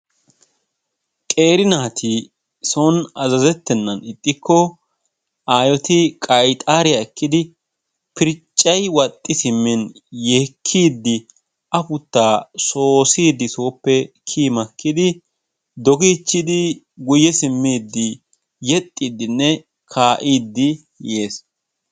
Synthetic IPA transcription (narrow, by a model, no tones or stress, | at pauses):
kʼe̞ːɾɪnaːt̪ʰɪ | sɔnɐzɐzɛt̪ːɛnːɐnɪt̪ʼːɪkːɔ | ʔaːjɔt̪ɪkʼɐjt̪ʼaːɾɪjaɛkːɪd̪ɪ | pɪɾt͡ʃʼːɐjwɐt̪ʼːɪsɪmːɪnjeːkʰːiːd̪ːɪ | ɐpʊt̪ːaːsoːsiːd̪ɪso̞ːpːɛkʰiːmɐkːɪd̪ɪ | d̪ɔɡiːt͡ʃːɪd̪ɪ | ɡʊjɛsɪmːiːd̪ːɪ | jɛt̪ʼːiːd̪ɪnːɛ | kʰaːʔiːd̪ːɪ | je̞ːs